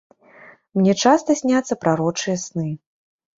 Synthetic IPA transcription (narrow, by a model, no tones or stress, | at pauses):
mnʲɛt͡ʂast̪ɐsʲnʲat̪sːɐpɾaɾɔt͡ʂɨjɐsnɨ